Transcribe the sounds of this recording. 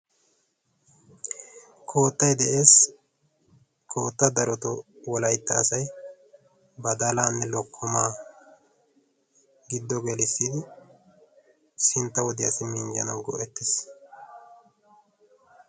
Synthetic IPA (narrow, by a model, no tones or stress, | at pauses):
kʰo̞ːt̪ːɐjd̪ɛʔe̞ːs | kʰo̞ːt̪ːɐd̪ɐɾɔt̪ɔwɔlɐjt̪ːɐːsɐj | bɐd̪ɐlaːnːɛlɔkʰːɔmaː | ɡɪd̪ːɔɡɛlɪsːid̪ɪ | sɪnt̪ːɐwɔd̪ɪjɐsɪmɪnd͡ʒɐnɐwɡɔ̰ʔɛt̪ːɪs